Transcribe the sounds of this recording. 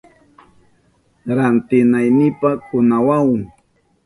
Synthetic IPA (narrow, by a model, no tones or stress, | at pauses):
ɾant̪ɪnajnɪpakʊnawawŋ